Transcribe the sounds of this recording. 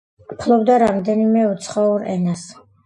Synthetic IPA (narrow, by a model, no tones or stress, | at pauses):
pʰlˠɔbd̪aɾamd̪ɛnimɛut̪sʰχauɾɛnas